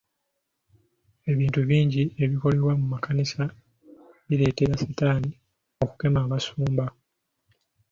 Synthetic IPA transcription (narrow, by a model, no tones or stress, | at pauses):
e̞βiːntuβiːɲɟie̞βiko̞leɾwamumakʰanisa | βile̞ːteɾasitaːni | o̞ku̥ke̞maːβasuːmba